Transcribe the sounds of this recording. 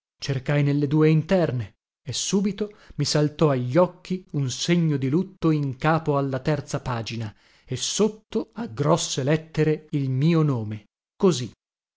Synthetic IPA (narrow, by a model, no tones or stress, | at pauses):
t͡ʃerkajnelːed̪uːeint̪ɛrne | esːuːbit̪omisalt̪ɔaʎːɔkːiunseɲːod̪ilut̪ːoiŋkaːpoalːat̪ɛrt̪sapaːd͡ʒina | esːot̪ːoaɡːɾɔsːelɛt̪ːeɾeilmiːonoːme | kozi